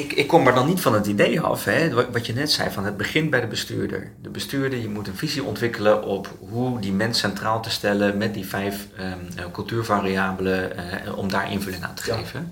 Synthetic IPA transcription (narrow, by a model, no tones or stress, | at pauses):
ɪkɪkːɔmaɹdɔnːitfɔnətidejɑ̰fɦɛʋɑtjənɛtsɛ̰jfɔnɦəd̚bəχɪnbɛjdəbəsty̰ːɹdə̰ɹdəbəstyːɹdəɹjəmutənviziʔɔ̰ntʋɪkələʔɔp | ɦudimɛnsɛntraːlˠtəstɛləmɛt̚difɛjf | kɵlˠtyːɹvaːriaːbələɔ̰mdaːɹʔɪ̰nvølɪŋa̰ːntə̥χeːvən